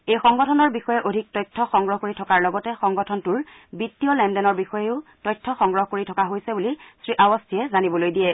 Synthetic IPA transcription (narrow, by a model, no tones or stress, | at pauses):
ejxɔŋɡɔtʰɔnɔɹbixɔjɛʔodʱik̚tɔjtʰːɔxɔŋɡɹɔɦkoɹitʰɔkaɹlɔɡɔtɛxɔŋɡɔtʰɔntʊɹ | bitːiɔlɛndɛnɔɹbixɔjɛʊtɔjtʰːɔxɔŋɡɹɔɦɔkoɹitʰɔkaɦojsɛbulisɹiʔawɔstʰiɛzanibɔlojdijɛ